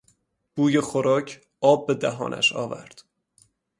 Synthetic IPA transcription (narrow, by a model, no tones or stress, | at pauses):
b̥uːjexoɾɒːcʰ | ɒːb̚ːe̞d̪æɦɒ̰ːnʔæ̰ʃɒ̰ːvæ̰ɾd̪̥